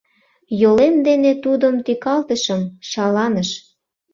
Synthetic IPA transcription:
jolemd̪enet̪ud̪əmt̪ikɑlt̪əʃə̆mʃɑlɑnəʃ

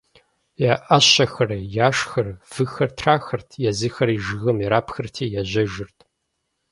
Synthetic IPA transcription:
jaːʔɐɕɐxɐrɐjaːʂxɐrv̥ɨxɐrtʰraːxɐrtʰjɛzɨxɐɾiʒɨɣɐmjɛɾaːpʰxɨrtʰiːjaʑɐʒɨrtʰ

